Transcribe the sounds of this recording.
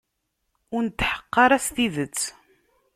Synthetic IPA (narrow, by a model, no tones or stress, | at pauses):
ʊɾnt̪ːħə̥qːɑɾˤæsθiðət͡sː